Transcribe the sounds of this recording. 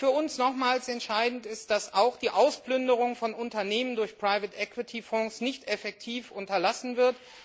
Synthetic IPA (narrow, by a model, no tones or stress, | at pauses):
fyːɐʊnsnɔχmaːlsɛntʃaɪdn̩tɪstd̥asaʊxd̥iːʔaʊsplʏndəʁ̞ʊŋfɔnʊntɐneːməndʊɐçpʁ̥aɪvɪtʔɛkw̥ɪtʰifɔ̃ŋsnɪçtɛfɛk̚tʰiːfʔʊntɐlasn̩vɪɐt